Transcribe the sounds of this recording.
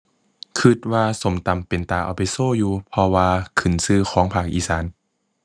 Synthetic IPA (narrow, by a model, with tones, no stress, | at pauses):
kʰɯ˧˩t̪̚waː˧so˨˦mt̪a˨˩mpe˨˩nt̪aː˧˩ʔa̰˨˩wpa˨jsoː˧˥˩juː˧pʰɔ˧waː˧kʰɯ˨˧˩nsɯː˧˩kʰɔː˩˦ŋpʰaː˧˩k̚ʔiː˧˩saː˨˩˦n